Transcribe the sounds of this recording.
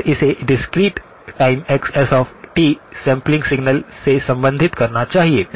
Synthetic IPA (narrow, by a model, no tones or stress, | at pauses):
ɾɪseɖɪskɾiːʈ | ʈaɪmɛksɛsɔfʈiːsɛ̃mplɪ̃ŋɡsɪɡnəlsesɐ̃mbə̃nd̪ʱɪt̪kɐɾnat͡ʃaːɦie